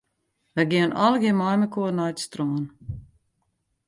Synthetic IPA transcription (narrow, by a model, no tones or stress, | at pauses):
vɛɡʲiɛnalˠɡʲimajmɛkuːnajt̪st̪ɾɔːn